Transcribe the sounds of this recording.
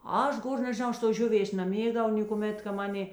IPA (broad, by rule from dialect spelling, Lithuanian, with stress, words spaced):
ˈɐʃ ˈɡoːr nʲɛʒʲɪˈnɐʊ ˈɐʃ toːs ˈʒʲʊˌʋʲeːs nɐˈmʲeːɡdɐʋɐʊ nʲeːkʊˈmʲeːt kɐ ˈmɑːˌnʲeː